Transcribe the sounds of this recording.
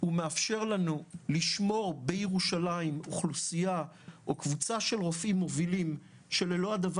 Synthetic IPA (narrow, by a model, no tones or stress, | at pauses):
humeafʃe̞ʁlanuliʃmo̞ʁbejeʁuʃalaimoχlusija | okvut͡saʃe̞lʁo̞fimːo̞vilim | ʃe̞lelo̞adav